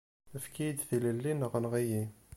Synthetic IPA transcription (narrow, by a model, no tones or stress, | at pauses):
əfkijd̪θiləlːinəʁənʁiji